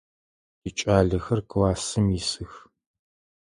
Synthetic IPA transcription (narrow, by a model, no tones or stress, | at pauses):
jit͡ʃʼaːɮɐxɐrkɨwaːsɨmisɨx